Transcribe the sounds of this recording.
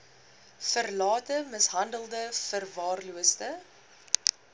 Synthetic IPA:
fərlɑːtəməsɦɐndəlˠdəfərvɑːrluəstə

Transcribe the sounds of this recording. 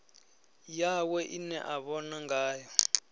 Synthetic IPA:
jawɛʔinɛʔaβɔnaŋɡaːjɔ

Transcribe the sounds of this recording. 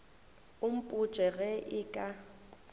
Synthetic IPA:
ʊm̩pʼu̥t͡ʃʼɛɣɛʔɪkʼa

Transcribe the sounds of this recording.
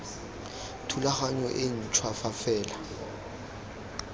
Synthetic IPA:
tʰulaχaɲɔʔen̩t͡ʃʰwafafɛːla

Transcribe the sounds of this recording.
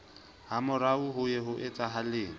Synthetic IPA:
hamʊɾaʊɦʊjɛɦʊʔɪt͡sʼaɦalɪːŋ̩

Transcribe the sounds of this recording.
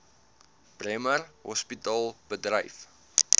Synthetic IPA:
b̥rɛmərɦɔ̰spitɑːlˠb̥ədrəjf

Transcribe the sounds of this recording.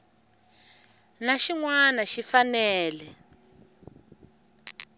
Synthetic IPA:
naʃiŋwanaʃifanɛːlɛ

